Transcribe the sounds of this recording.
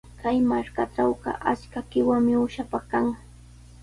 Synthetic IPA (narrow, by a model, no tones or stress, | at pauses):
kajmaɾkaʈ͡ʂawɢɑ̰ʔat͡ʃkakɪwaŋmɪʊʃapaχkaŋ